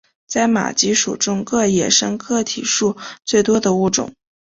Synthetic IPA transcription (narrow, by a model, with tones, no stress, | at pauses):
t͡sa˥˩ɪma̰˨˩t͡ɕi˧˥ʂṵ˨˩ʈ͡ʂʊ˥ŋkɤ˥˩jɛ˨˩ʂɤ˥ŋkʰɤ˥˩t̪ʰḭ˨˩ʂu˥˧t͡swe˥˩ɪt̪wɔ˥d̪ə˨u˥˩ʈ͡ʂʊ̰˨˩˦ŋ